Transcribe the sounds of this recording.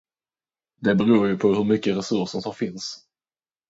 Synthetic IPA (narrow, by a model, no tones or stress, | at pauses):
d̪ɛbɛɾuːɾjɵpʰɔɦɵɾmʏkːəɾɛsɵʂʂɔmt̪ʰɑɾfɪns